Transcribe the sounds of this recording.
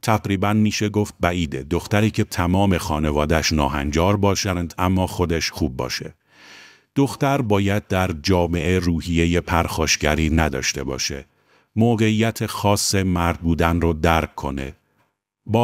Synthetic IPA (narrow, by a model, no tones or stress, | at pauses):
t̪ʰæɡɾiːbænmiːʃeɡo̞ft̪̚bæʔiːd̪ed̪o̞xt̪æɾiːcʰe̞t̪ʰæmɒːme̞xɒːne̞vɒːd̪æʃnɒ̰ːɦæ̰nd͡ʒɒːɾbɒːʃænd̪æmːɒːxo̞d̪eʃxuːb̚ːɒ̰ːʃe̞̰ | d̪̥o̞xt̪æɾbɒːjæd̪̚d̪æɾd͡ʒɒːme̞ʔe̞ruːhije̞je̞pʰæɾxɒːʃɟæɾiːnæd̪ɒ̰ːʃt̪e̞bɒ̰ːʃe̞̰ | moːɣe̞iːjːæt̪ʰe̞xɒːsːe̞mæɾd̪̚buːd̪ænrod̪æɾkʰːo̞̰ne̞̰ | bː